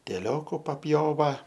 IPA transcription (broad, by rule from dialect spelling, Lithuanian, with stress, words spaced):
ˈtʲæːˈlʲoːkʊ pɐpʲˈjoːʋɐ